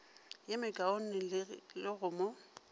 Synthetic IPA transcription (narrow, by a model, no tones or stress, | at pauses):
jemɪkʼaon̩nɪlɪɣʊːmɔ